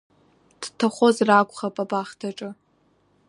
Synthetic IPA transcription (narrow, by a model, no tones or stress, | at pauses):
d̥tʰaχʷozrakʷʼχapʼabaχtʰaʈ͡ʂʼɨ